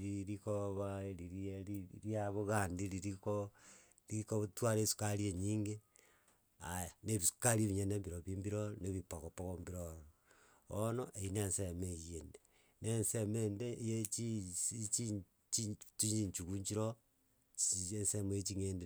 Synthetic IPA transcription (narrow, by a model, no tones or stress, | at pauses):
ɾiɾikoβaeɾiɾieiɾiaβoɣandiliɾiko | likotwaɾesu̥kaɾieɲiːŋɡe | ajaneβisu̥kaɾieβiɲenembiɾoβimbiɾoneβipokopoɣombiɾoɾo | onoʔeinensemejende | nensemendejet͡ʃiit͡ʃi | t͡ʃit͡ʃiɲt͡ʃiɲt͡ʃukuɲt͡ʃiɾo | ensemoet͡ʃiŋende